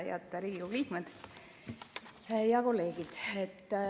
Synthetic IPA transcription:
jɑ̰t̪ːɑɾiːɡ̥ikoɡliːkmed̪̥ | jɑko̞lːe̞ːɡid̪̥et̪ː

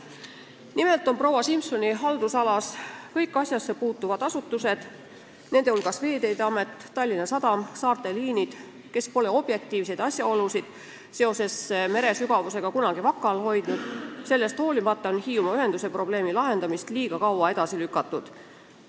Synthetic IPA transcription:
nime̞lt̪ˑo̞npro̞wɑsimpso̞niɦɑld̪usɑlɑskɤjkːˑɑsʲjɑsːe̞puːt̪ːˑuvɑd̪̥ɑsut̪ːˑuse̞d̪̥ | ne̞nd̪e̞ulɡ̥ɑsve̞ːd̪e̞jd̪eɑme̞t̪ːɑlʲːinɑsɑd̪̥ɑmsɑːrt̪e̞liːnid̪̥ | ke̞spo̞le̞o̞b̥je̞k̚t̪ˑiːvse̞jd̪̥ɑsʲjɑo̞lusid̪̥ | se̞o̞se̞sːme̞ɾe̞syɡ̥ɑvuse̞ɡ̥ɑkunɑɡ̥ivɑkːˑɑlho̞jd̪̥nud̪̥se̞lːe̞st̪ho̞ːlimɑt̪ːˑɑonhiːumɑyɦe̞nd̪̥use̞pro̞b̥le̞ːmilɑɦe̞nd̪̥ɑmist̪liːɡ̥ɑkɑwɑe̞d̪̥ɑsilykːˑɑt̪ːˑud̪̥

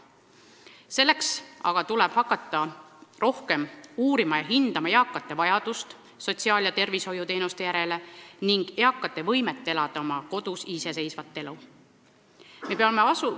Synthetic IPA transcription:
se̞lːe̞ksɑ̰ɡ̥ɑt̪ulɛb̥hɑkːˑɑt̪ːˑɑro̞hke̞muːɾimɑjɑɦind̪̥ɑmɑjeɑkːˑɑt̪ːˑe̞vɑjɑd̪̥ust̪ | so̞t̪ʲsiɑːljɑt̪e̞rviso̞jut̪e̞ːnust̪e̞jæɾe̞le̞niŋɡ̥jɑkːˑɑt̪ːˑe̞vɤ̞jme̞t̪ˑːe̞lɑd̪̥ɑomɑko̞d̪̥usise̞se̞jsvɑt̪ːˑe̞lu | me̞peɑme̞ɑsu

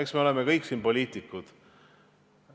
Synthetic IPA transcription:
eksme̞o̞le̞mekɤjksiːnpo̞lʲiːt̪ˑikːˑud̪̥

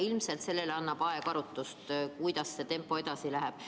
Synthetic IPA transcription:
ilmse̞lt̪se̞lːe̞leɑnːɑb̥ɑe̞kɑɾut̪ːust̪kujd̪̥ɑsːe̞t̪e̞mpːˑo̞e̞d̪̥ɑsilæɦæb̥

